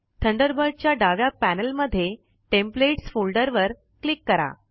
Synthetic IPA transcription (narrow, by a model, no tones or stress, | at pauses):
t̪ʰəɳɖəɾbəɾɖ̚t͡ɕjaɖaʋjapænəlməd̪ʱːje | ʈempleʈsfulɖəɾʋəɾ | klikːəɾa̰